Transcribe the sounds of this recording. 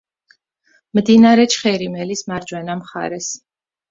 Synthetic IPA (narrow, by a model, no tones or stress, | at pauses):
md̪inaɾɛt͡ʃʰχɛɾimɛlismaɾd͡ʒwɛnamχa̰ɾɛs